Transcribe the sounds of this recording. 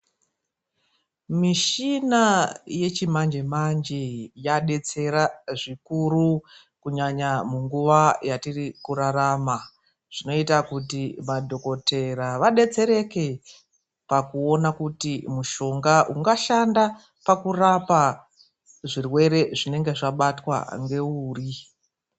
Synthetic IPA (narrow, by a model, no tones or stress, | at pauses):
miʃinaje̞t͡ʃimand͡ʒemand͡ʒejaɗe̞t͡se̞ɾaʐikuɾu | kuɲaɲamuŋɡuʋajatirikuɾarama | ʐ̥ino̞itakutimadʱo̞ko̞te̞ɾaʋaɗe̞t͡se̞ɾe̞ke̞ | pakuo̞nakutimuʃo̞ŋɡaʔuŋɡaʃanda | pakurapa | ʐirwe̞ɾe̞ʐine̞ŋɡe̞ʐaɓatwa̰ŋɡe̞uːri